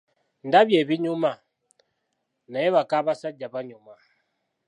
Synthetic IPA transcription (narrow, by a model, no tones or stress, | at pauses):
ndaβjɛβiɲuma | naɛβakaβasaɟaβaɲuma